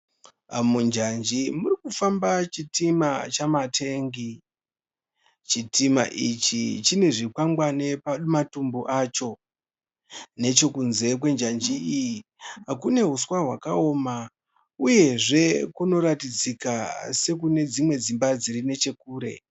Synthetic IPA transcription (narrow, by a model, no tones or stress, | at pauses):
mund͡ʒand͡ʒimurikufambat͡ʃitimat͡ʃamatʰe̞ŋɡi | t͡ʃitima̰ʔit͡ʃḭt͡ʃine̞ʐikwaŋɡwane̞pamatumbuʔat͡ʃo̞ | ne̞t͡ʃo̞kunze̞k̬we̞nd͡ʒand͡ʒiijiakune̞ɦuswaɦwakaoːma | uje̞ʐe̞kuno̞ɾatid͡zikase̞k̬une̞d͡zimwe̞d͡zimbad͡zirine̞t͡ʃe̞kuːɾe̞̰